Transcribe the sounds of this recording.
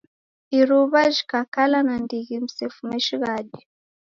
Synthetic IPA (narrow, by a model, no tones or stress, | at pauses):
iɾuβaʒikakalanandiɣim̩sɛfumɛʃiɣadi